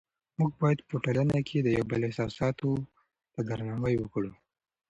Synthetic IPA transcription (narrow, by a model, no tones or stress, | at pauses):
muɡ̚bɑjad̪pəʈalanakʰed̪əjawbəlɪhsɑsɑt̪o | d̪̥əɡ̪aɾnɑwəjwəkɽu